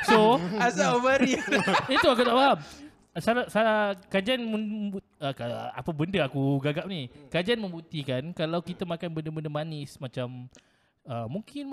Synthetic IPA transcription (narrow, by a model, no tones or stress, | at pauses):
soasaobaɾiit̪uakut̪aʔfaɦam | salasaakad͡ʒianməbu | əkaa̰pəbəndəakuɡaɡap̚nikad͡ʒianmə̃mbuʔt̪ikankalawkit̪amãkanbəndəbəndəmanɪsmat͡ʃam | əːuŋkɪn